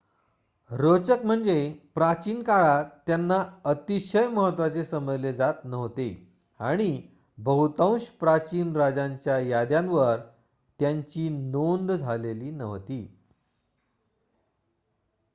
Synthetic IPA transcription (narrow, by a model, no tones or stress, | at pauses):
ɾot͡səkm̤əɳd͡zepɾat͡ɕiːnkaɭat̪ːjanːaət̪iɕəjməɦət̪ʋat͡sesəməd͡zled͡zat̪nəɦʋt̪ḛ | aɽ̃i | bəɦut̪ãw̃ɕpɾat͡ɕiːnɾad͡zaɲt͡ɕjajad̪jãnʋəɾ | t̪jaɲt͡ɕiːnond̪d͡zʱaleliːnəʋt̪iː